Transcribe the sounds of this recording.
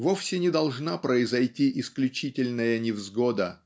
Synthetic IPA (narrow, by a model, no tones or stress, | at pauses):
vofsʲɪnʲɪd̪ɐlˠʐnapɾəɪzɐjtʲiʔɪsklʲʉt͡ɕitʲɪlʲnəjənʲɪvzɡod̪ə